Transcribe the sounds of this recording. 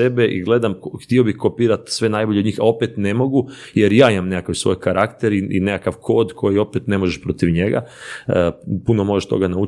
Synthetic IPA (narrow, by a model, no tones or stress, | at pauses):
ebe̞ʔḭɡle̞d̪amxt̪io̞bixkopiːɾat̪sʋe̞najboʎed̪ɲiːxao̞pet̪ne̞mo̞ɡu | jeɾjaːimamnekakaʋsʋo̞̰jkaɾakt̪eɾiḭnekakaʋkʰo̞ːd̪kʰo̞jio̞pet̪ne̞moʒeʃpɾo̞t̪iʋɲeɡa̰əpuno̞mo̞ʒeʃt̪o̞̰ɡanaut͡ʃ